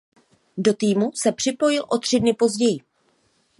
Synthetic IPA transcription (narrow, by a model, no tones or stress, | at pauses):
do̞t̪iːmusɛpr̥ɪpo̞jɪlʔo̞t̪r̝̥ɪdnɪpo̞zɟɛjɪ